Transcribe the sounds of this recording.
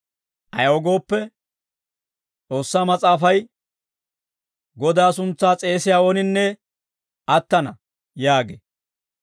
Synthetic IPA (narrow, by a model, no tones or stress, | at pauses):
ʔɐjɔɡo̞ːpːɛ | t͡sʼo̞ːsːaːmɐt͡sʼaːfɐj | ɡɔd̪aːsʊnt͡sːaːt͡sʼe̞ːsɪjaːoːnɪnːɛ | ɐt̪ːɐnɐ | jaːɡḛ